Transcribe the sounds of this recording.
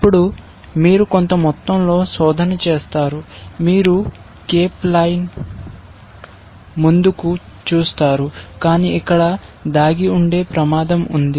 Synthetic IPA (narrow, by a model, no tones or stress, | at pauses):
ɐpːuɽu | miːɾuko̞nt̪ɐmɔt̪ːɐmlo̞ːsɔːd̪ʱɐnɐt͡ʃe̞ːst̪aːɾumiːɾu | keːplɐjn | mund̪uku | t͡ʃuːst̪aːɾukaːniːʔikːɐɽɐd̪aːɡiuɳɖe̞ːpɾɐmaːd̪ɐmund̪i